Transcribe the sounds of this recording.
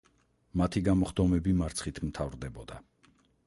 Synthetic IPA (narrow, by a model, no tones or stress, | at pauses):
mat̪ʰiɡamɔχd̪ɔmɛbimaɾt̪sʰχit̪ʰmt̪ʰavɾd̪ɛbɔd̪a̰